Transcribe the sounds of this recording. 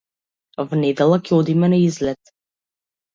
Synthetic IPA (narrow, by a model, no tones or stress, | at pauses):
vnɛd̪ɛlˠakʰɛɔd̪imɛnaizlɛt̪